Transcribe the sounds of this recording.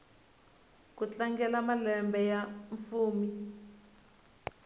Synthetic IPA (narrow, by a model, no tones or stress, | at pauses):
kut͡ɬaŋɡɛlamalɛmbɛjaɱfuːmi